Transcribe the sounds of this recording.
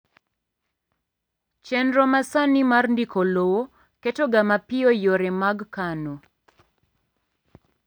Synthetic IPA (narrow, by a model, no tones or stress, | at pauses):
t͡ʃɛnɾɔmasanimarndikolowo | ketoɡamapɪɔjoɾɛmaɡkano